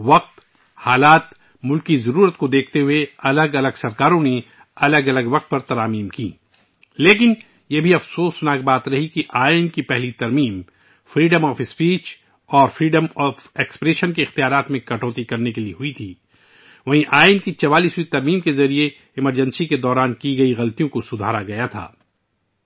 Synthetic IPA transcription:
ʋɐq̚t̪ | haːlaːt̪ | mʊlkizɐɾuːɾət̪kod̪eːkʰt̪eɦʊeɐləɡɐləɡsɐɾkaːɾõne | ɐləɡɐləɡʋɐq̚t̪̚pɐɾt̪ɐɾaːmiːmkḭː | leːk̬ɪn | jebʱiɐfsoːsʊnaːk̚baːt̪ɾɐɦikiʔaːɪnkipɛɦlit̪ɐɾmiːm | fɾiːɖəmɔːfɪspiːt͡ʃ | ɔːɾfɾiːɖəmɔːfeːkspɾeːʃənkiɪxt̪ijaːɾaːt̪mẽkɐʈɔːt̪ikɐɾnekelieɦʊit̪ʰiː | ʋɐɦĩʔaːɪnkit͡ʃɐʋaːliːswit̪ɐɾmiːmkezɐɾie | ɪməɾd͡ʒə̃nsiked̪ɔːɾaːnkiɡɐiɣɐlt̪ijõkosʊd̪ʱaːɾaɡɐjat̪ʰa̰ː

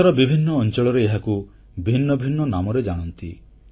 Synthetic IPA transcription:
aɾɔbibʱinːɔːnt͡ʃɔɭɔɾeeɦaku | bʱinːɔbʱinːɔnamɔɾed͡ʒaɽ̃ɔnt̪i

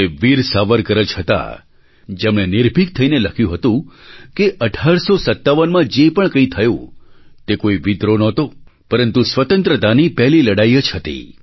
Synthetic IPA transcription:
eʋiɾsaʋəɾkəɾət͡ʃɦət̪a̰ | d͡ʒemɽ̃enɪɾbʱik̚t̪ʰəineləkʰjũɦət̪ũkeʔəʈʰaɾsosət̪ːaʋənmãd͡ʒepəɳkə̃ĩt̪ʰəjṵ̃t̪ekoiʋid̪ɾonɔt̪opəɾənt̪usʋət̪ənt̪ɾəd̪anipɛɦliləɽaiət͡ʃɦət̪ḭ

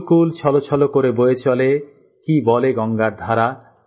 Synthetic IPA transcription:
kult͡ɕʰɔlot͡ɕʰɔlokoɾebojet͡ɕʰɔle | kibɔleɡɔŋɡaɾd̪ʱaɾa

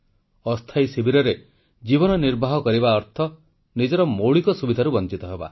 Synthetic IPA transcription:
ɔst̪ʰajsibʱiɾɔɾe | d͡ʒibɔnɔniɾbʱaɦɔkɔɾibaɔɾt̪ʰɔ | nid͡ʒɔɾɔmowɭikɔsubid̪ʱaɾubɔnt͡ʃit̪ɔɦeba̰

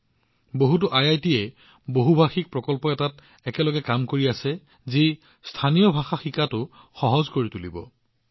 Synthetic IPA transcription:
boɦut̬ʊʔajajtiɛ | boɦubʱaxik̚pɹɔkɔlpɔɛtat | ɛkɛlɔɡɛkamkoɹiasɛ | zi | stʰanijɔbʱaxaxikatʊ | xɔɦɔzkoɹitulibɔ̰

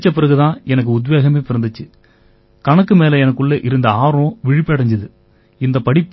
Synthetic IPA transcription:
t͡ʃːɐp̬ɪɾɐɣɯt̪ãːɛnɐk̬ːɯʊd̪ʋeːɣɐmeːpɪɾɐnd̪ɯt͡ʃːɯ | kɐnɐkːɯmeːlɐɛnɐkːɯɭːɐʔɪɾɯnd̪ɐaːɾõʋɪɻɪpːɐːɽɐɲd͡ʒɐðɯ | ɪnd̪ɐpɐɽɪpː

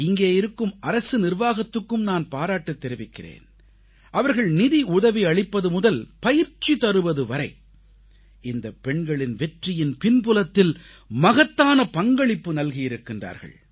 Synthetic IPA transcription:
ɪŋɡeːɪɾɯkːɯmɐɾɐsɯnɪrʋaːɣɐt̪ːɯkːɯmnaːnpaːɾaːʈːɐt̪ːɛɾɪʋɪkːɪrḛːn | ʔɐʋɐɾɣɐɭnɪðiʊðɐʋiɐɭɪpːɐðɯmʊðɐlpɐjɪɾt͡ʃit̪ɐɾɯʋɐðɯʋɐɾɐɪ | ɪnd̪ɐpːɛɳɡɐɭɪnʋɛʈrɪjɪnpɪnpʊlɐt̪ːɪl | mɐɣɐt̪ːaːnɐpɐŋɡɐɭɪpːɯnɐlɣijɪɾɯkːɪndra̰ːɾɣɐ̰ɭ

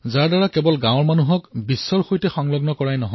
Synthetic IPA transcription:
zaɹdaɹakɛbɔlɡãw̃ɹmanuɦɔkbisːɔɹxojtɛxɔŋlɔɡnɔkɔɹajnɔɦɔ

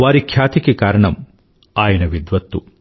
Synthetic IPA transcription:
ʋaːɾikʰjaːt̪ikekaːɾɐɳɐm | aːjɐnɐʋid̪ʋɐt̪ːu

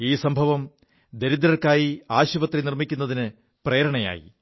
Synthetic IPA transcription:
iːsɐmbʱɐʋɐm | d̪e̞ɾid̪ɾɐrkaːjiaːɕuʋɐt̪rinirmikʲːunːɐðinɨ | pre̞ːɾɐɳɐja̰ːjḭ

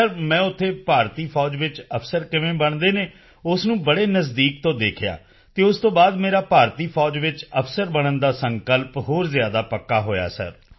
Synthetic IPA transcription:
əɾmɛ̃ːʊt̪ʰːeːpaːɾt̪iːpʰɔːd͡ʒʋɪt͡ʃəpʰsəɾkɪʋẽːbəɳd̪eːneː | ʊsnũːbəɽeːnəzd̪iːk̚t̪õːd̪eːkʰɪja̰ː | t̪eːʊst̪õːbaːd̪meːɾaːpaːɾt̪iːpʰɔːd͡ʒʋɪt͡ʃəpʰsəɾbəɽənd̪aːsə̃ŋkəlpɦoːɾzjaːd̪aːpəkːaːɦoːja̰ːsə̰ɾ

